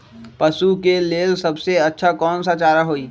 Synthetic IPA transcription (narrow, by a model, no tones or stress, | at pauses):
pɐsukeleːlsɐbseɐtːʃʰakɔːnsat͡ʃaːɾaɦoːiː